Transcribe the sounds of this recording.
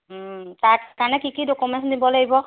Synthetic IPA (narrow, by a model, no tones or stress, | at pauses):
taɹkaɹnɛkikidokumɛntdibɔlaɡibɔ